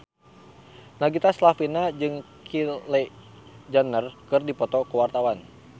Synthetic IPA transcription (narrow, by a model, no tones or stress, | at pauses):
naɡit̪aslafinad͡ʒɨŋ | kʰilɛ | d͡ʒanərkɨrdipɔt̪ɔkəwart̪awan